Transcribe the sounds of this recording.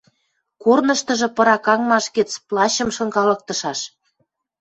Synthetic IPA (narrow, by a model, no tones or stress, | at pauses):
kornəʃt̪ə̆ʒɤ̆pɤ̆ɾɑkɑŋmɑʃket͡splɑɕə̆mʃɤ̆ŋkɑlɤ̆k̚t̪ɤ̆ʃɑʃ